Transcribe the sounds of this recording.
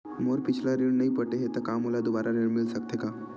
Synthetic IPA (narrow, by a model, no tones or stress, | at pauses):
moɾpɪt͡ʃʰlaɾeɽnəipəʈeɦet̪ɐkamɦolad̪obaɾaɾeɽmɪlsəkt̪ʰeka